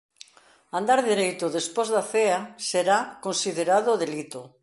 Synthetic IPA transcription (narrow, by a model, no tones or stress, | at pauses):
ãnd̪aɾðiɾejt̪ʊðespozðaθeaseɾakonsiðeɾaðʊðelit̪o